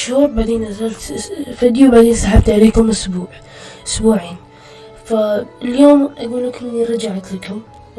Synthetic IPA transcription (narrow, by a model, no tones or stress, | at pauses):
ʃhuːɾbaʕd̪iːnʔazalt̪fad̪jubaʕd̪iːnsaħab̚t̪ʕaleːkʊmʔʊsbuːʕ | ʔʊsbuːʕiːn | faljoːmʔaɡuːnakʊnːiɾˤɑd͡ʒaʕat̪lakʊm